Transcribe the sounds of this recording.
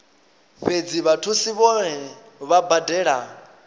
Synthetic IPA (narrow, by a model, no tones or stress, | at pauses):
ɸed͡ziβatʰusiβɔɛ | βabadɛːɺa